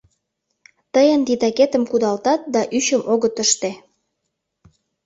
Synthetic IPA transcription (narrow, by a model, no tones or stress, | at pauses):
t̪əjənd̪it̪ɑket̪ə̆mkud̪ɑlt̪ɑt̪̚d̪ɑʔyɕəmʔoɣət̪əʃt̪e